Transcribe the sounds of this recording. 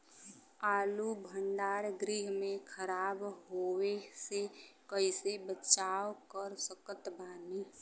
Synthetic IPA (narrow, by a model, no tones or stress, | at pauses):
aːlubʱə̃nɖaːɾɡɾiːɦmẽkʰəɾaːbɦoːwesekəɪsebət͡ʃaːwkəɾsəkət̪baːniː